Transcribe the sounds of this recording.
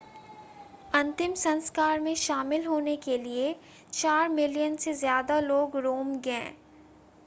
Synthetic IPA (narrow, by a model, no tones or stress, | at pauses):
ɐ̃nt̪ɪmsɐ̃nskaːɾmẽʃaːmɪlɦoːnekelie | t͡ʃaːɾmɪlijənsezjaːd̪aloːɡɾoːmɡɛ̃ː